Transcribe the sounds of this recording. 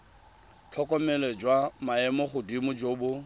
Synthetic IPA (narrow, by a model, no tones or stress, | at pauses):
t͡ɬʰɔkʼɔmɛlɛd͡ʒwamaɛmɔχʊdimʊd͡ʒoːbʊ